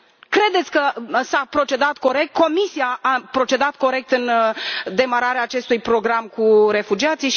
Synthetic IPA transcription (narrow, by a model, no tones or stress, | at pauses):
kɾe̞d̪e̞t̪sʲkəsapɾo̞t͡ʃe̞d̪at̪ko̞ɾe̞k̚t̪̚ko̞misiaapɾo̞t͡ʃe̞d̪at̪̚ko̞ɾe̞k̚t̪ɨnd̪e̞maɾaɾeaːt͡ʃe̞st̪ujpɾo̞ɡɾamkuɾe̞fud͡ʒiat̪sijʃ